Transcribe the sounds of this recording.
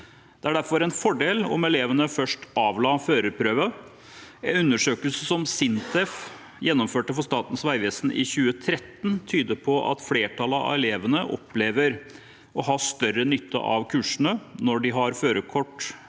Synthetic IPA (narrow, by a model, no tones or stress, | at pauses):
d̪̥ɛæɖæɾfɔɾɛnfɔɖeːlɔ̰mɛleːʋənəfœʂʈɑːʋlɑːføːɾəɾpʰɾøːʋə | ɛnʉnːəʂøːkəlsəsɔmsɪnt̪ʰɛf | jɛnːɔmføːʈəfɔʂt̪ɑːt̪n̩sʋæɪʋeːsn̩ʔɪ̰çʉːət̪ʰɾɛt̪ːnt̪ʰyːd̪əpʰɔʔɑ̰t̪fleːʈʰɑləɑ̰ɛleːʋənəʔɔ̰pʰːleːʋəɾ | ɔɦɑʂt̪œɾənʏt̪ːə̰ʔɑ̰ʋkʰʉːʂəɳənɔɖɪɦɑɾføːɾəkʰɔʈː